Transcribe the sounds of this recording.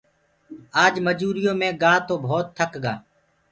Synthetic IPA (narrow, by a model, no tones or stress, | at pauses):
aːd͡ʒməd͡ʒuːɾɪjõːmẽːɠãːt̪oːbʱoːt̪ʰːəkɡa̰ː